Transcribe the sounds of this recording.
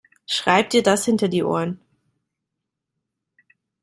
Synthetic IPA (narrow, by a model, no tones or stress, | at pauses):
ʃʁ̥aɪp̚tiːɐdashɪntɐdiːʔo̰ːɐn